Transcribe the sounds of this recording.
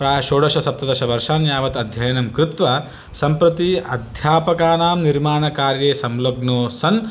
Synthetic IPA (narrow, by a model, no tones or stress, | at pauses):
pɾaːʃoːɽɐʃɐsɐp̚t̪ɐd̪ɐʃɐʋɐɾʂaːnjaːʋɐt̪ɐd̪ʱjɐjɐnɐmkɾɪt̪ʋɐ | sɐmpɾɐt̪iɐd̪ʱjaːpɐkaːnaːmniɾmaːɳɐkaːɾjeːsɐmloɡnoːsɐn